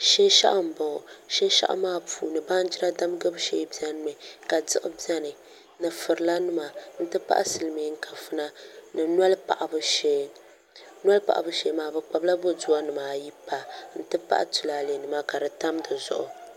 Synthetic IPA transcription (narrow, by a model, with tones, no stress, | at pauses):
ʃe˦ʃa̰˦ʔa˦˨m̩˨bɔ˨ʃe˦ʃa̰˦ʔmaː˦puː˨nɨ˨ba˦n˦d͡ʒi˦ɾa˦da˦m˦ɡɨ˦bʃeː˦bi˦ɛ˦n˦mɨ˨ka˨dɨ˦ʔʊ˦bi˦ɛ˦nɨ˨ | nɨ˨fɨ˨ɾɨ˨la˦nʊ˦ma˨n̩˦tɨ˦pa̰˦ʔsɨ˨lɨ˨mi˨˦ŋ̩˦kʰa˨fɨ˦na˦nɨ˨na˦lpa̰˨ʔa˨bɨ˦ʃ | nwa˦lpa̰˨ʔa̰˨bɨ˦ʃe˨˦maː˨bɨ˨k͡pa˨bla˦bo˦du˦a˦nɨ˨maː˨ji˦pa˨n̩˦tɨ˦pa̰˦ʔa̰˦tu˨la˨le˨nɨ˨ma˦ka˨dɨ˨ta˦mdɨ˨zʊ̰˨ʔʊ̰˨